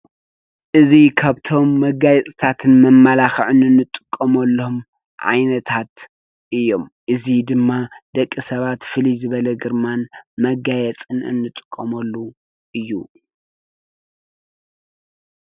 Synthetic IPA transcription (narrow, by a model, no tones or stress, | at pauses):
ʔɨzikʰaβt̪ʰo̞mːɐɡajɛt͡sʼt̪ʰat̪ʰɨnmɐmːalaxʕɨnɨnːɨt̪ʼːɨkʼːɐmɐlːohom | ʕa̰jnɐt̪ʰat̪ | ʔɨjːo̞mʔɨzid̪ɨmːad̪ɐkʼːisɐβat̪fɨlizɨβɐlɐɡɨɾmanmɐɡajɛt͡sʼɨnɨ̰nːɨt̪ʼɨ̥kʼːɐmɐlːu | ʔɨjːu